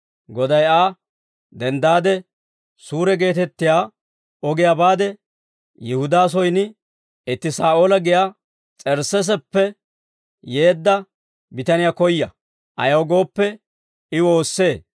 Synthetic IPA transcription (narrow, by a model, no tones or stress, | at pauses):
ɡɔd̪ɐjaː | d̪ɛnd̪aːd̪ɛ | suːɾɛɡe̞ːt̪ɛt̪ːɪjaː | ɔɡɪjabaːd̪ɛ | jɪhʊd̪aːs̬ɔjnɪ | ɪt̪ːɪsaːʔoːlɐɡɪja | t͡sʼɛɾsɛs̬ɛpːɛ | je̞ːd̪ːɐ | bɪt̪ɐnɪjakɔjːɐ | ʔɐ̰jɐwɡo̞ːpːɛ | ɪwo̞ːsːe̞ː